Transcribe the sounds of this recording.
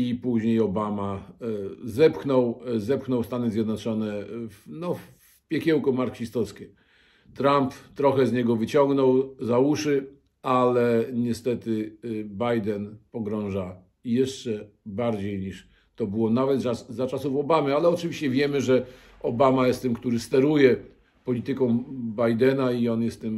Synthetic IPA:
ipuʑɲejɔbama | zɛpxnɔwzɛpxnɔwst̪anɘzʲjɛd̪nɔt͡ʂɔnɛfnɔf | pʲjɛkʲɛwkɔmaɾkɕist̪ɔskʲɛ | t̪ɾampt̪ːɾɔxɛzɲɛɡɔvɘt͡ɕɔŋɡnɔwzawuʂɘ | alɛɲɛst̪ɛt̪ɘbajd̪ɛnpɔɡɾɔ̃w̃ʐa | jɛʂt͡ʂɛbaɾd͡ʑejɲiʂ | t̪ɔbɘwɔnavɛt̪aszat͡ʂasufɔbamɘalɛɔt͡ʂɨvʲiɕt͡ɕɛvʲjɛmɘʐɛ | ɔbamajɛst̪ːɛmkt̪uɾɘst̪ɛɾujɛ | pɔlʲit̪ɘkɔ̃w̃bajd̪ɛnaiɔnjɛst̪ːɘm

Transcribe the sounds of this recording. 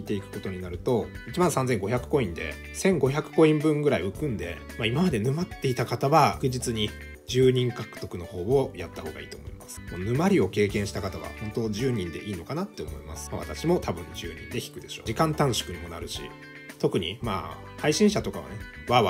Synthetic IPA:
it̪e̞ikɯ̟̥ko̞t̪o̞ɲ̟inaɾɯ̟t̪o̞it͡ɕibãɰ̃sãnd͡zẽ̞ŋɡo̞çʲakɯ̟̥ko̞ĩnd̪e̞̰ | sẽ̞ŋɡo̞çʲakɯ̟̥ko̞ĩmbɯ̟̃ŋɡɯ̟ɾaiɯ̟kɯ̟̃nd̪e̞̰ | maimamad̪e̞nɯ̟mat̪ːe̞it̪akat̪aβaɡɯ̟ʑit͡sɨɲ̟i | d͡ʑɨːɲ̟ĩŋkakɯ̟̥t̪o̞kɯ̟no̞ho̞ːβojat̪ːaho̞ːɡa̰ḭːt̪o̞ːmo̞imasɨ̥monɯ̟maɾʲio̞ke̞ːkẽ̞ɰ̃ɕi̥t̪akat̪aβa̰hõ̞nt̪o̞ʑɨːɲ̟ĩnd̪e̞ʔiːno̞kanat̪ːe̞omo̞̰ima̰sɨ̥maβa̰t̪aɕimo̞t̪abɯ̟̃ɲ̟d͡ʑɨ̰ːɲ̟ḭ̃nd̪e̞çʲi̥kɯ̟d̪e̞ɕo̞̰ːikãnt̪ãɰ̃ɕo̥kɯ̟ɲ̟imo̞na̰ɾɯ̟ɕḭ | t̪o̞kɯ̟ɲ̟ima̰ː | haiɕĩɰ̃ɕat̪o̞kaβa̰ne | βaβa

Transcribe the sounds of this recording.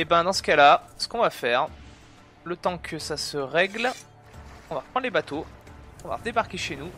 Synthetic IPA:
ebɛ̃d̪ɑ̃sə̥kalasə̥kɔ̃vafɛːʁ | lət̪ɑ̃kʰəsasəʁɛɡl | ɔ̃vapχɑ̃d̪lebat̪oɔ̃va̰ʁd̪ebaʁkʲeʃenu

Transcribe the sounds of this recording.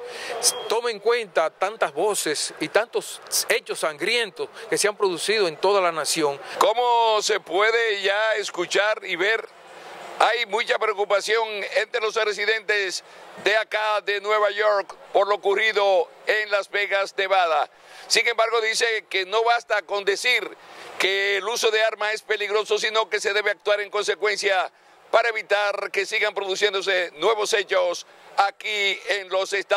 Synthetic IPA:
t̪o̞meŋkwe̞nt̪at̪ant̪azβo̞sesit̪ant̪ose̞t͡ʃosːaŋɡɾje̞nt̪o̞ske̞seampɾo̞ðusið̞oe̞nt̪o̞ðalanasjo̞ŋkomose̞pwe̞ðeʝaeskut͡ʃaɾiβe̞ɾ | ajmũt͡ʃapɾeokupasjo̞ŋent̪ɾelo̞sares̬iðe̞nt̪esd̪e̞akaðe̞nwe̞βaʝoɾkpo̞ɾlo̞okuriðo̞e̞ŋlazβe̞ɣasne̞βaða | siŋe̞mbaɾɣo̞ðise̞keno̞βast̪ako̞nd̪e̞siɾkeːluso̞ðeaɾmae̞spe̞liɣɾo̞so̞sino̞ke̞se̞ðe̞βeak̚t̪waɾe̞ŋko̞nse̞kwe̞nsja | paɾaeβit̪aɾke̞siɣampɾo̞ðusje̞nd̪o̞se̞nwe̞βo̞se̞t͡ʃos | akieŋlo̞sest̪

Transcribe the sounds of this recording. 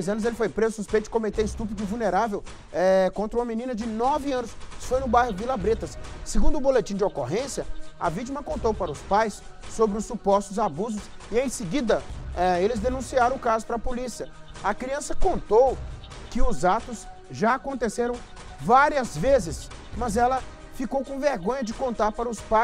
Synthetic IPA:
jzɐ̃nʊzelɪfojpɾezʊsuspẽjt̪ʊɪ̥kõmet̪eɪst̪up̬id̪ʊvulneɾavew | ɛkõnt̪ɾɐũmɐmĩnĩnɐd͡ʒɪnɔvɪɐ̃nʊsfojnʊbajɦʊɡɪlabɾet̪ɐsːɪɡũnd̪ʊbolet͡ʃĩd͡ʒɪokoɦẽsjɐɐ̰vit͡ʃimɐkõnt̪owpaɾɐʊspajsː | obɾɪʊsːupɔst̪ʊzabuzʊsɪẽj̃sɪɡid̪ɐɛelɪzd̪enũsiaɾɐ̃ʊkazʊpɾɐpolisiɐɐkɾiɐ̃sɐkõnt̪ow | kɪʊzat̪ʊs | ʒaːkõnt̪eseɾɐ̃w̃ | vaɾiɐzvezɪsmɐzɛlɐ | fikowkõveɾɡõɲɐd͡ʒɪkõnt̪aɾpaɾɐʊspa

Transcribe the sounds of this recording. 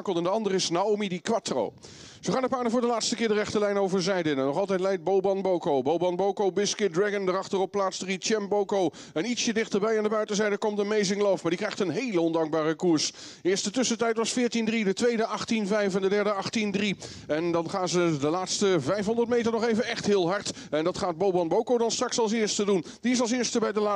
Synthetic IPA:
kəlˠɛndəɑndəɾɪsnaomidikʋatro̰w | zəχaːndəpaːɹdəvʊːɹdəlaːtstəkɪːɹdərɛχtəɹlɛjnowvəɹzɛjdənɛnːɔχɑlˠtɛjtlɛj̚d̚bowbɑnbowkowbowbɑnbowkowbɪskɪdrɹɛɡəndərɑχtərɔpːlaːtsdəʁitɛmbowkow | ɛnitsjədɪχtəɹbɛjandəbœɥtəzɛjdəkɔmtənmejzɪŋlɔfmaːɹdikrɛjχtənɦejləɔndɑŋk̚baːrəkuɹs | ɪːɹstdətʏsətɛjtʋɑsfɪːɹtindridətʋejdəʔɑχtinvɛjfɛndədɛɹdəɑχtindri | ɛndɑnχaːnzədəlaːtstəvɛjfɦɔndəɹtmejtəɹnɔχejvənɛχtɦɪːlˠɦɑɹt | ɛndɑtχaːd̚bowbɑnbowkowdɑnstrɑksɑlˠsɪːɹstədun | diɪsɑlˠsɪːɹstəbɛjdəla

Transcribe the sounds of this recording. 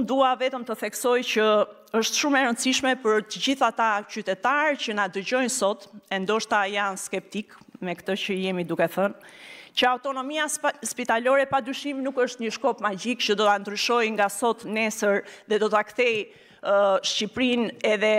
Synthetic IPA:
und̪uavɛt̪əmt̪əθɛksɔjcə | əʃt̪ʃumɛɾənt͡siʃmɛpəɾt̪əd͡ʑiθat̪acyt̪ɛt̪aɾcənad̪əɟɔjnsɔt̪ɛnd̪ɔʃt̪ajanskɛp̚t̪ikmɛkt̪ət͡ɕəjɛmid̪ukɛθəncəawt̪ɔnɔmiaspit̪alɔɾɛpad̪ɾyʃiminukəʃt̪ɲəʃkɔpmad͡ʑikcəd̪ɔt̪and̪ɾyʃɔjŋɡasɔt̪nɛsəɾðɛd̪ɔt̪akθɛj | ʃcipɾinɛðɛ

